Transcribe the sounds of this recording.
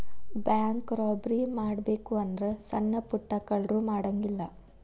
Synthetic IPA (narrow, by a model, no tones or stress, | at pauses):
bjaːŋkɾɔːbɾimaːɽbe̞ːkuɐnd̪ɾesɐnːɐpuʈːɐkːɐɭɾumaːɽɐŋɡilːɐ